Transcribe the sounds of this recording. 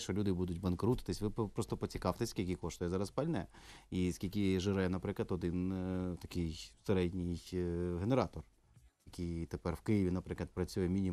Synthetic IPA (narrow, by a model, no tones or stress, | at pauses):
ʃɔlʲud̪ɪbud̪ʊtʲbɐnkɾut̪ɪ̥t̪ɪsʲʋɪppɾɔst̪ɔpɔt͡sʲikɑwt̪ɪsʲskʲilʲkʲɪkɔʃt̪ɔjɛzɑɾɐspɐlʲnɛiskʲilʲkʲɪʒɪɾɛjɛnɐpɾɪklˠɐt̪ɔd̪ɪnt̪ɐkɪjseɾɛdʲnʲɪjɦeneɾɑt̪ɔr | jɐkʲɪjt̪epɛrwkɪjɪʋʲinɐpɾɪklˠɐt̪̚pɾɐt͡sʲujɛmʲinʲi